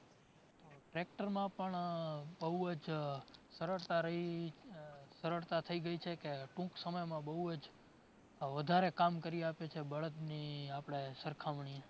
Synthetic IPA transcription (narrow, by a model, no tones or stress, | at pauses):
t̪oʈɾek̚ʈəɾmãpəɳbəɦuəd͡ʒsəɾəɭt̪aɾəɦi | səɾəɭt̪at̪ʰəiɡəit͡ʃʰekeʈũksəməjmãbəɦuəd͡ʒ | ʋəd̪ʱaɾekamkəɾiapet͡ʃʰebəɭət̪niapɽ̃esəɾkʰaʋɳie